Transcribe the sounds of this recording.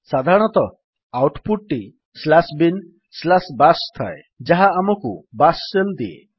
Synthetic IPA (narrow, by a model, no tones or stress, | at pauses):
sad̪ʱaɾɔɽ̃ɔt̪ɔ | awʈpuʈʈi | slasbin | slasbast̪ʰae | d͡ʒaɦaːmɔkubasːeld̪iḛ